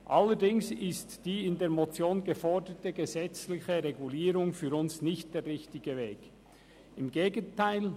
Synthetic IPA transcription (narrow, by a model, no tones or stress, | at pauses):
ʔalːəɾdɪŋsɪstd̥iːɪndeːmot͡sjoːnɡəfɔɹdətəɡəzɛt͡slɪçəɾeɡuliːɾʊŋfyːɾʊnsnɪçt̚d̥eːɾrʁɪçtɪɡəveːk | ɪmɡeːɡəntʰaɪl